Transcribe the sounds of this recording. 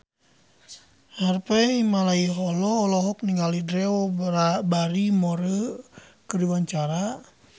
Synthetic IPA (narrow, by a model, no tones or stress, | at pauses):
harpɛimalaiɦɔlɔːlɔɦɔk̚niŋɡalidɾɛɔabaɾimɔɾəkəɾiwaɲt͡ʃaɾa